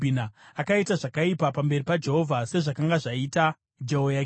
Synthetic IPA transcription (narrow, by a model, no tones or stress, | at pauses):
inaakaitaʐakaipapambe̞ripad͡ʒe̞ɦo̞vʱase̞ʐakaŋɡaʐaita | d͡ʒeɦojak